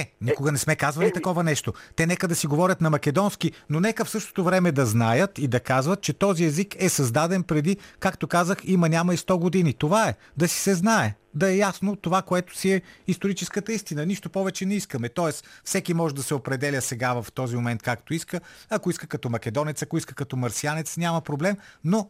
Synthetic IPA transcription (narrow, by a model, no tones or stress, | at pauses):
ɛnikʊɡɐnɛsmɛkazvɐlit̪ɐkɔvɐnɛʃt̪ot̪ɛnɛkəd̪ɐsiɡovɔɾʲɐt̪nɐmɐkɛd̪ɔnskinonɛkəfsɤʃt̪o̥t̪ovɾɛmɛd̪ɐznajət̪id̪ɐkazvɐt̪̚t͡ʃɛt̪ɔziɛzikɛsɐzd̪ad̪ɛnpɾɛd̪ikakt̪okazəximɐnʲamɐist̪ɔɡod̪init̪ovaɛ | d̪ɐsi̥sɛznaɛ | d̪ɐɛjasnot̪ovakoɛt̪o̥siɛist̪oɾit͡ʃɛskət̪əist̪inəniʃt̪opɔvɛt͡ʃɛnɛiskəmɛt̪ɔɛsfsɛkimɔʒɛd̪ɐsɛopɾɛd̪ɛlʲəsɛɡavɐft̪ɔzimomɛnt̪̚kakt̪oiskəɐkoiskəkɐt̪ɔmɐkɛd̪ɔnɛt̪sɐkoiskəkɐt̪ɔmɐɾsianɛt̪snʲamɐpɾoblɛmno